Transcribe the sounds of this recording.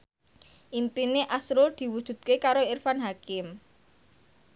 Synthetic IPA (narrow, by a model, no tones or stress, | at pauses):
ʔimpineʔasɾʊld̪̥i̤wud̥ʒ̥ṳd̪̥̚kekaɾoɪrfanɦakɪm